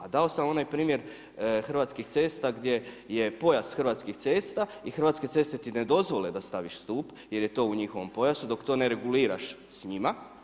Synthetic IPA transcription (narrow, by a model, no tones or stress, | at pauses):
ad̪ao̞samo̞najpɾiːmjeɾ | xr̩ʋaːt̪skixt̪se̞ːst̪aɡd̪je̞ | je̞po̞jasxərɾʋaːt̪skixt̪se̞ːst̪aixrʋaːt̪ske̞t̪e̞st̪e̞t̪ined̪o̞zʋoled̪ast̪aʋiʃst̪uːp | je̞ɾje̞t̪o̞ːuɲixo̞ʋo̞mpo̞jasud̪o̞kt̪o̞ːneɾe̞ɡuliːɾa̰ʃ | sɲima